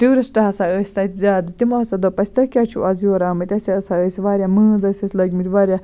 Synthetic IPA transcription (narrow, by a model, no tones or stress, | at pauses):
ʈuːɾɐsʈɐɦɐsaəːsʲt̪ɐt̪ʲzʲaːd̪ɨt̪imoɦɐt͡sɐd̪opɐsʲt̪ɐkʲat͡ʃʰṵʔɐzjoːɾaːmɨt̪ʲɐsʲɐəsaəːsʲʋaːɾʲjamɨːzɐsʲɐsʲlɐɡʲmit̪ʲʋaːɾʲja